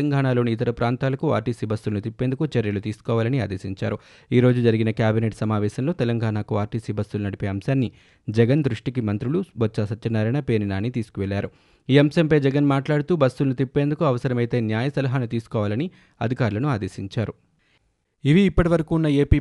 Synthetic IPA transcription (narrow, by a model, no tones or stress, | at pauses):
ɐŋɡaːnaːlo̞ːniːt̪ɐɾɐpɾaːnt̪aːlɐkua̰ːɾʈiːsiːbɐst̪ulɐnut̪ipːe̞nd̪ukut͡ʃɛɾjɐlut̪iːsu̥kɔːʋaːlɐnia̰ːd̪eːsiɲt͡ʃa̰ːɾu | iːɾo̞ːd͡ʒud͡ʒɐɾiɡinɐkjaːbineʈsɐmaːʋɛːʃɐnlo̞ːt̪ɛlɐŋɡaːnaːkuaːɾʈiːsiːbɐst̪ulunɐɽipe̞ːɐmsaːnːi | d͡ʒɛɡɐnd̪ɾuʂʈikimɐnt̪ɾuɭubɐtt͡ʃːasɐt̪ːɐnːaɾɐjnɐpe̞ːninaːnit̪iːsu̥kuʋɛɭːaːɾu | iːɐmʃɐmpɐjd͡ʒɛɡɐnmaːʈlaːɽut̪uːbɐst̪ulɐnut̪ipːe̞ːnd̪ukuɐʋɐsɐɾɐmɐjt̪e̞ːnjaːjɐsɐlɐɦaːnut̪iːsu̥kɔːʋaːlɐni | ɐd̪ʱikaːɾlɐnuaːd̪e̞ːsiɲt͡ʃaːɾu | iʋiːpːɐʈiʋɐɾɐkuːnːɐeːpiː